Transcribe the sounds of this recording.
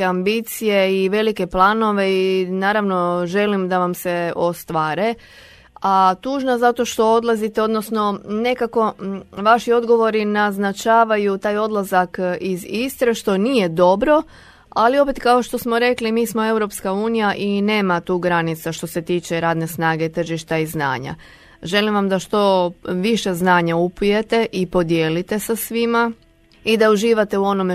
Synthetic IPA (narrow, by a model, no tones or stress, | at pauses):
eambit̪sijeiʋe̞like̞plˠaːno̞ʋe̞inaːɾaʋno̞ʒe̞limd̪aʋamse̞o̞st̪ʋaːɾe̞ | at̪uːʒnazat̪o̞ʃt̪o̞o̞d̪lˠazit̪eo̞d̪nosno̞ne̞kako̞ʋaʃio̞d̪ɡo̞ʋo̞ɾinaznat͡ʃaːʋajut̪aːjo̞d̪lˠazakizist̪ɾe̞ʃt̪o̞niːje̞d̪o̞bɾo̞ | alio̞pe̞t̪kao̞ʃt̪o̞smo̞ɾe̞klimiːsmo̞e̞wɾo̞pskauːnijaʔine̞ːmat̪uːɡɾanit̪saʃt̪o̞se̞t̪iːt͡ʃe̞ɾaːd̪ne̞snaːɡe̞t̪r̩ʒiʃt̪aizna̰ːɲa̰ | ʒe̞limʋamd̪aʃt̪o̞ʋiʃe̞znaːɲaupuje̞t̪e̞ʔipo̞d̪jeːlit̪e̞sasʋima | id̪auʒiːʋat̪e̞uo̞nome